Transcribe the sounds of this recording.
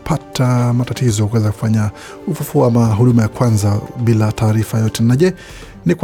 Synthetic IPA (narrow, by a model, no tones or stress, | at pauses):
pʰatʰamatatizɔkuwɛzaku̥faɲa | ufufuaamaɦuɗumajakwanzaɓilataːɾifajɔtɛnaʄɛ | nikw